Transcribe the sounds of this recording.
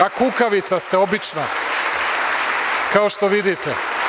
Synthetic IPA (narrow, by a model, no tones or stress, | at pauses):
akukaʋit̪sast̪eo̞bit͡ʃna | kao̞ʃt̪oʋid̪it̪e